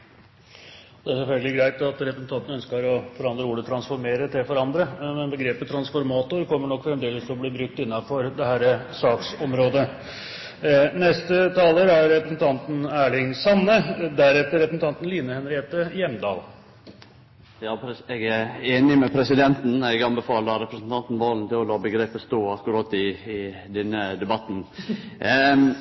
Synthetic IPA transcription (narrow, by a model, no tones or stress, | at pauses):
ɔd̪ɛæʂɛlfœlɡəlɪɡɾæɪt̪ɑt̪ɾɛpɾəsn̩t̪ɑnt̪n̩œnskəɾɔfɔɾɑnd̪ɾəuːɖət̪ʰɾɑnsfɔɾmeːɾət̪ʰɪlfɔɾɑnd̪ɾəmɛnbəɡɾeːpət̪ʰɾɑnsfɔɾmɑːt̪ʊɾkʰɔmːəɳɔkːfɾɛmd̪eːləst̪ʰɔbliːbɾʉk̚t̪ɪnːɑfɔɾd̪ɛhæːɾəsɑːksɔmɾoːd̪ə | nɛst̪ət̪ʰɑːləɾæɾːɛpɾəsn̩t̪ʰɑnt̪n̩æːɭɪŋsɑnːəd̪æɾɛt̪ːəɾɛpɾəsn̩t̪ʰɑnt̪n̩liːnəhɛnɾɪheːt̪əjɛmd̪ɑ̰ːl | jɑːpʰɛɡæɾeːnɪmɛpʰɾɛsɪd̪ɛnt̪n̩ɛɡɑnbəfɑːləɑɾɛpɾəsn̩t̪ʰɑnt̪n̩ʋɑːlnt̪ɪlɔlɑːbəɡɾeːpəst̪uːɑkʊɾɑːt̪ɪɪ | d̪ɛnːəd̪ɛbɑt̪n̩